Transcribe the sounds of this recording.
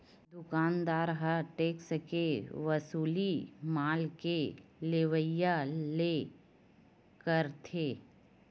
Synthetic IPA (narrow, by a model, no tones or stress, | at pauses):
d̪ʊkaːnd̪aːɾɦəʈeːkskeʋəsuːlimaːlkeleʋəjaleː | kəɾt̪ʰeː